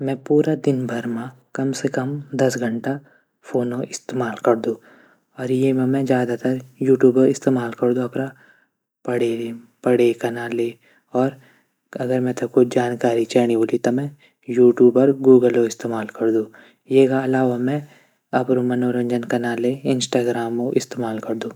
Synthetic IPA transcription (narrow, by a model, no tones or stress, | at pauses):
mɛ̃puːɾad̪ɪnbʱɐɾmã | kɐmsekɐmd̪ɐsɡʱɐ̃ɳʈa | fʰoːnoʔɪst̪eːmaːlkɐɾd̪ũː | ɔːɾjemɛ̃mɛ̃zjaːd̪at̪əɾjuːʈjuːboɪst̪eːmaːlkɐɾd̪ũɐpna | pɐɽe | pɐɽekɐnale | ɔːɾ | ɐɡəɾmɛ̃t̪ʰɐkʊd͡ʒaːnkaːɾit͡ʃɛːɽ̃ioːlit̪ɔmɛ̃ | juːʈjuːbəɾɡuːɡəloɪst̪eːmaːlkɐɾd̪ũː | jeːkaɐlaːʋamɛ̃ | ɐpɾomɐnoɾɐ̃ɲd͡ʒənkɐnaleɪnsʈaːɡɾaːmoʔɪst̪eːmaːlkɐɾd̪ũː